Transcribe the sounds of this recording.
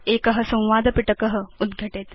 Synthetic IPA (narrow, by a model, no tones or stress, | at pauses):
ekəɦəsə̃w̃ʋad̪ʱəpiʈəkəɦəud̪ɡʱəʈet̪